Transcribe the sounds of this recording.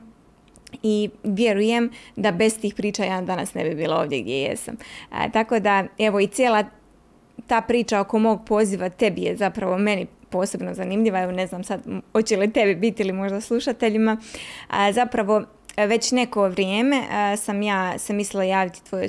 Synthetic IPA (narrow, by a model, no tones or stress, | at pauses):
iʋjeɾuje̞md̪abe̞st̪iːxpɾiːt͡ʃajaːd̪anasne̞bibiːlˠao̞ːʋd̪jḛɡd̪jḛjḛsa̰m̰t̪ako̞d̪ae̞ʋo̞it̪sʲjeːlˠa | t̪aːpɾiːt͡ʃaoko̞mo̞ːɡ̚po̞ːziʋat̪e̞bije̞zapɾaʋo̞me̞ni | po̞ːse̞bno̞zanimʎiʋae̞ʋo̞ne̞znaːmsad̪hot͡ɕelit̪e̞bibit̪iilimo̞ʒd̪aslˠuʃat̪e̞ʎima | zapɾaʋo̞ | ʋe̞t͡ɕne̞ko̞ʋɾjeːme̞samjaːsemislilajaːʋit̪i̥t̪ʋo̞jḛ